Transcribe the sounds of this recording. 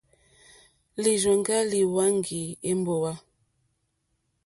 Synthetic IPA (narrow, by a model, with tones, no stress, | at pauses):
li˨ʒɔ˨ŋɡa˦li˨wa˦ŋ˦ɡi˨e˦m˦bo˨wa˦